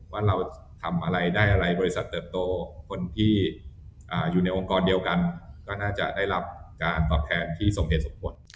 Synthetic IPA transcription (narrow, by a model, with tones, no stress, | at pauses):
waː˥˩ɾa˧w | t̪ʰa˧mʔa˧ɾa˧jdaː˥˩jʔa˧ɾa˧jbɔː˧ɾi˥sa˨˩t̪ːɤː˨˩p̚t̪oː˧kʰo˧nt̪ʰiː˥˩ʔaː˨˩juː˨˩na˧jʔo˧ŋkɔː˧ndi˧əwka˧nkɔː˥˩naː˥˩t͡ɕa̰˨˩ʔdaː˥˩jɾa˦˥p̚kaː˧nt̪ɔː˨˩p̚t̪ʰɛː˧nt̪ʰiː˥˩so˨˩ŋɦeː˨˩t̪̚su˨˩˦kʰo˧n